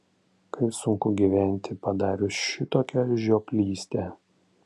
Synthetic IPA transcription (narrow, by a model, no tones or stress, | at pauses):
kɐɪsʊŋkʊɡʲiʋʲæˑnʲt̪ʲɪpɐd̪ɑːɾʲoʃʲɪt̪oːkʲɛʒʲoːpʲlʲiːsʲt̪ʲeː